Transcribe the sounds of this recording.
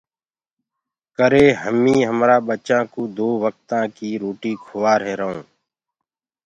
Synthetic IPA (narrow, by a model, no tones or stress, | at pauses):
kəɾeːɦəmĩːɦəmɾaːɓət͡ʃãːkoːd̪oːʋək̚t̪ãːkiːɾoːʈiːkʰʊʋaːɾɦeːɾəɦõː